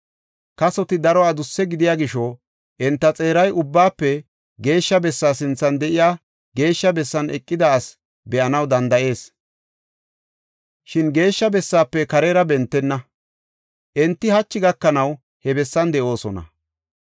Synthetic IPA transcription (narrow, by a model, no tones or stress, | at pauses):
kɐsɔt̪ɪd̪ɐɾɔad̪ʊsːɛɡɪd̪ɪjaːɡɪʃo | ʔɛnt̪ːɐt͡sʼe̞ːɾɐjʊbːaːpːɛ | ɡe̞ːʃːɐbɛsːaːsɪnt͡sːɐnd̪ɛʔɪjaː | ɡe̞ːʃːɐbɛsːɐnɛ̰kʼːɪd̪ɐːs | bɛʔɐnɐwd̪ɐnd̪ɐʔe̞ːs | ʃɪnɡe̞ːʃːɐbɛsːaːpːɛkɐɾɛɾɐbɛnt̪ːɛnːɐ | ʔɛnt̪ːɪhɐt͡ʃːɪɡɐkːɐnɐw | hɛbɛsːɐnd̪ɛʔo̞ːsɔnɐ̰